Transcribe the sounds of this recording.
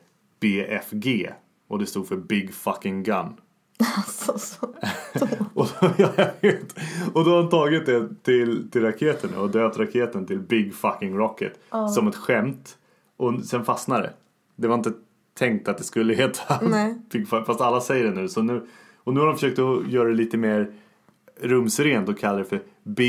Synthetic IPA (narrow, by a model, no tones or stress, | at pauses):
b̥eːʔɛ̰fɡeː | ɔd̪ɛst̪uːd̪̥fœɾbɪɡfakɪŋɡanː | ɔdjavet̪ɔd̪ɔhaɾʊnt̪ʰɑːɡɪt̪̚d̪ɛt̪ʰɪlt̪ʰɪlɾakʰeːt̪ʰən̰ɔd̪øːp̚t̪ɾakʰeːt̪ənt̪ʰɪlbɪɡfakːɪŋɾɑkːə̰t̪sɔmɛt̪ɧɛmt̪ | ʔɔsɛnfasnad̪ɛ̰ | d̪ɛvaɾɪnt̪ə | t̪ʰɛŋk̚t̪at̪̚d̪ɛskɵlːəɦeːt̪ʰab̥ɪɡfafast̪alːasɛjːəɖɛnʉ̟ːsɔnʉ̟ː | ɔnʉ̟ːhad̪ɔmfəʂøːk̚t̪ɔjœːɾad̪ɛliːt̪əmeːɾ | ɾɵmsɾeːnt̪ɔkʰalːaɾɛfœɾ | bɪ